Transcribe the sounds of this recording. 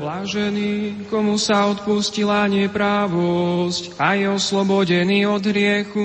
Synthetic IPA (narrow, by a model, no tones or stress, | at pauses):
laʒɛnikɔmusaɔt̪puscilaɲɪɛpɾaʋɔscajɛɔslɔbɔɟɛniːɔd̪ɦɾɪɛxu